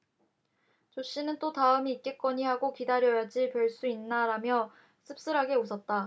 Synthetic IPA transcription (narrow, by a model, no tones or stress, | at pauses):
t͡ɕoɕ͈inɯnt͈otaɯmiːk͈̚e̞k͈ʌɲiɦaɡokidaɾjʌjad͡ʑipjʌɭs͈uinːaɾamjʌ | sʰɯp̚s͈ɯɾɦaɡe̞osʰʌt̚t͈a